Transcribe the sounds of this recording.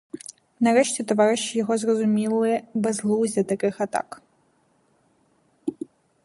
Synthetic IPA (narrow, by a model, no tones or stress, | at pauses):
nɐɾɛʂt͡sʲɛt̪ɔvaɾɨʃt͡ʃijɔɣɔzrɔzumʲilˠɨɛbɐzlˠuwzʲɐt̪akɨxat̪a̰k